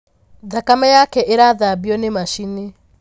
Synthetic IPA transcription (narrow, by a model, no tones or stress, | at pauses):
ðakamajakɛʔeɾaðaβiɔnemaʃine